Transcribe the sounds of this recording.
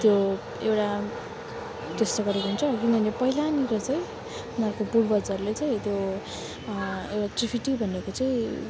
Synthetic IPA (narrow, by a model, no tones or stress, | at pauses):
t̪jo | ewʈa | t̪est̪oɡʌɾekunt͡sʰʌkind̪ʱʌnepʌɦilaniɾʌt͡sʌj̃ | unarkopuɾbʌt͡sʌɾulet͡sʌĩt̪jo | ewʈaʈ̪ripʰiʈibʱʌnekot͡sʌĩ